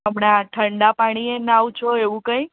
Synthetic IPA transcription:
əmɳaʈʰəɳɖapaɽ̃ienawt͡ʃʰoeʋũkə̃j

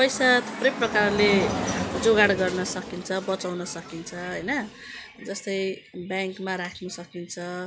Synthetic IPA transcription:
pʌjsat̪ʰu̥prʌjprʌkarled͡zoɡaɽɡʌrnʌsʌkint͡sʰʌbʌt͡sawnʌsʌkint͡sʰʌɦʌjnʌ | d͡zʌst̪ʌjbjaŋkmaɾakʰnusʌkint͡sʰʌ

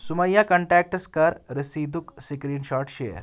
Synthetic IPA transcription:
suməjːakəɳʈɾɛk̚ʈəskəɾɾisiːd̪uksikɾiːnɕɔːʈɕḛjə̰ɾ

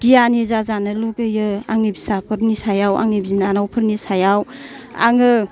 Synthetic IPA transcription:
ɡ̥ijanizazanɯlukɯjɯaŋibisapʰɯɾnisajawʔa̰ŋibzinanawpʰɯɾnisajawa̰ŋɯ

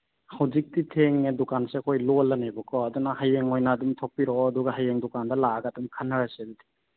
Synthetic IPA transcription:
hawzik̚titʰeŋedukansekʰojlɔlɐnebɔkʰɔːdunahajeŋojnaːdumtʰɔk̚pːiɾɔːduɡaɦajeŋdukandɐlaɡadumkʰanːaɾasedutʰe̥

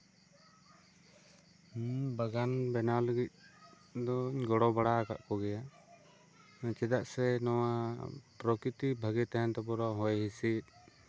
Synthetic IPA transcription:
baɡanbɛnaləɡit̪̚ | d̪ɔɲɡɔɽɔbaɽaka̰ʔkɔɡɛja | t͡ʃɛd̪aʔsɛnɔwapɾɔkɾit̪ibʱaɡɛt̪aɦɛnt̪ɔpɔɾaɦɔjɦisit̪̚ˀ

